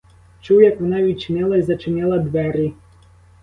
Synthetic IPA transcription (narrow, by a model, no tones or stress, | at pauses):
t͡ʃuwjakʋɔnaʋʲit͡ʃɪnʲɛlˠaizɐt͡ʃɪnʲɛlˠɐd̪ʋɛɾʲi